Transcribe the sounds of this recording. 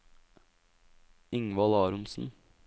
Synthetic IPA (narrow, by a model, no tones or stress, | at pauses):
ɪŋʋɑlɑːɾʊnsn̩